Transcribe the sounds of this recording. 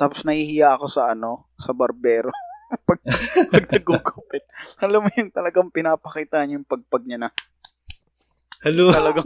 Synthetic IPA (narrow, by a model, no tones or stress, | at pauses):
t̪aːposnɐhiːhɪjaʔɐko̞sɐʔɐno̞ | sɐbɐɾbɛːɾopɐɡ̚pɐɡ̚nɐɡuɡopɛt̪̚ɐlɐmːojʊŋt̪ɐlɐɡaŋpɪnaːpɐkiːt̪aːhɐɲɐjʊŋpɐɡ̚pɐɡ̚ɲɐnɐ | hɐlot̪ɐlɐɡaŋ